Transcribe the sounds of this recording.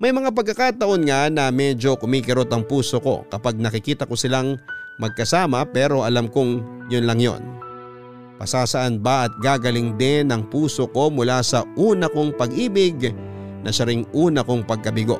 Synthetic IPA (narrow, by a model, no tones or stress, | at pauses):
mɐjmɐŋap̬ɐɡ̚kːɐkaːt̪ɐʔo̞nŋanɐmɛd͡ʒo̞kʊmiːkɪɾot̪ɐŋpuːso̞ko̞̰kɐpaɡ̚nɐkɪkiːt̪ɐko̞sɪlaŋmɐɡ̚kɐsaːmɐpɛːɾo̞ʔɐlamkoŋ | jʊnlɐŋjo̞̰n | pɐ̰saːsɐʔanbɐʔɐt̪̚ɡaːɡɐlɪŋd̪ɪnɐŋpuːso̞ko̞mʊlasɐʔuːnɐkoŋpɐɡʔiːbɪɡnɐʃɐɾɪŋʔuːnɐko̞ŋpɐɡ̚kɐbɪɡo̞̰